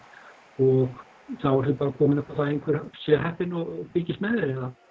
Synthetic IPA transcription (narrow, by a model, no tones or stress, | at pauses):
ɔɣ | θavaɾsɪpaːɾakʰɔːmɪnapaθaðejŋkʰvɛɾ̥sjɛhɦɛhpɪnɔɣpɪcɪst̪mɛðɪɾɪna